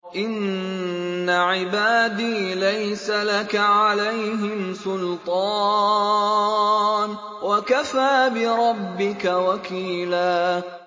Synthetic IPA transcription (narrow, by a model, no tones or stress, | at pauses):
ʔɪnː | aʕɪbaːd̪iːlajsalakaʕalajɦɪmsʊlt̪ˤɑː | n | wakafaːbɪɾˤɑbːɪkawakʰiːlaː